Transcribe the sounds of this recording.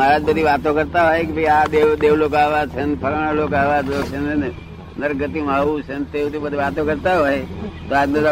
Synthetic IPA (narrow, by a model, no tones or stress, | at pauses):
aɾaːd͡ʒbəd̪ʱiʋaːt̪õkəɾt̪aɦoɦekibʱiad̪eʋd̪eːʋlokaːʋat͡ʃʰənpʰəɾaɽ̃ãloːkaʋad͡ʒlokt͡ʃʰənen | nəɾɡət̪imaut͡ʃʰənt̪eut̪ibəd̪ʱiʋaːt̪õkəɾt̪aɦoɦet̪oaːd͡ʒned̪